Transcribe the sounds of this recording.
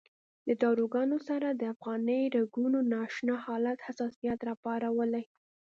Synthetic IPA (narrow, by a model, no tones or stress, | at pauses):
ləd̪ɑɾoɡɑnosaɾad̪əafɣɑnəjɾaɡunonɑʃnɑhɑlat̪hasɑsijat̪ɾɑpɑɾawəlaj